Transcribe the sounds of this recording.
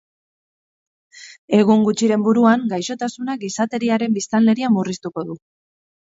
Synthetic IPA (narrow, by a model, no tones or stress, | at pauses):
e̞ɣ̞uŋɡut͡ʃiɾe̞mbuɾuaŋɡajʃo̞t̪asunaɡisat̪e̞ɾiaɾe̞mbist̪ale̞ɾiamurist̪uko̞ðu